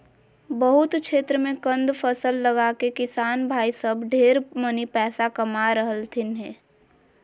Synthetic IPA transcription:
bəɦʊt̪kʃeːt̪ɾəmẽkə̃nd̪fʰəsəlːəɡaːkekɪsaːnbʱaːisəbɖʱeːɾmənipɛːsakɐmaɾəɦəlt̪ʰɪnɦɛː

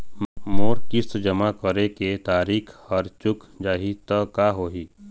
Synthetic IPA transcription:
moːɾkɪsd͡ʒɐmakəɾeket̪aːɾiːkʰhɐɾt͡ʃʊk | d͡ʒaːɦit̪əkaɦoːɦiː

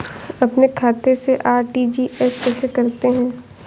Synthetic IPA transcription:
ɐpnekʰaːt̪eseʔaːɾʈid͡ʒiɛspɛsekɐɾt̪eɦɛ̃ː

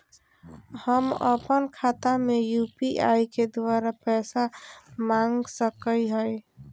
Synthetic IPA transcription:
həmə̰pənkʰat̪amejupiʔaiked̪waɾapɛːsamãŋɡsəkəiɦəj

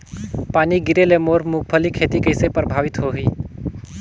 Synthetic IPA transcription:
paːniɡɪɾelemoːɾmuk̚ʰpʰəlikʰeːt̪ikəɪsepɾəbʱaːʋɪt̪ɦoɦiː

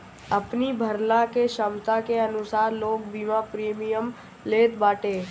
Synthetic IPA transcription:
ɐpnibʱəɾlãkeʃəmt̪akeɐnʊsaːɾloːɡ̚biːmãpɾeːmijəm | leːt̪baːʈeː

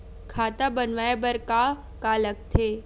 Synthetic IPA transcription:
kʰaːt̪abɐnʋaːebəɾka | kaːlək̚t̪ʰeː

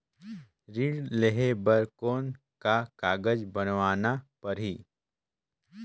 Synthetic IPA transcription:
ɾiːɽleɦebɐɾkoːn | kakaːɡəd͡ʒbɐnʋaːnapɐɾɦiː

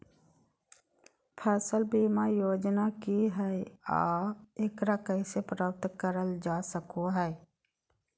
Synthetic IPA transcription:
pʰɛːsəlbiːmajoːd͡ʒnakiɦɛea̰ːeːkɾakəɪsepɾaːp̚t̪kəɾəld͡ʒaːsəkoɦɛː

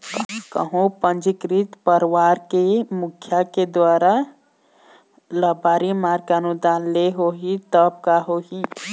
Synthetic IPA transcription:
kə̰ɦũpənd͡ʒikɾit̪pəɾwaɾkemukʰːjaked̪waːɾa | ləbaɾimaɾkanud̪anleɦoɦit̪əb̚kaɦoɦi

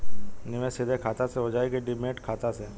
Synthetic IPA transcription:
nɪʋẽsɪd̪ʱekʰaːt̪aseɦod͡ʒaːikeɖɪmẽːʈkʰaːt̪ase

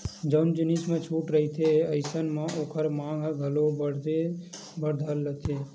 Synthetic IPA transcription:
d͡ʒəʊnd͡ʒinismẽt͡ʃʰuʈɾəɦit̪ʰeəɪsənmeʔoːkʰəɾmãɡʱɡʱəlobəe | bəɾd̪ʱəlːət̪ʰe

